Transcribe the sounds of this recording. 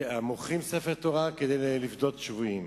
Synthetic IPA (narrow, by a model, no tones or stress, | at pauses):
amoχimsefeʁt̪o̞ʁaked̪ejlivd̪o̞t̪ʃvuim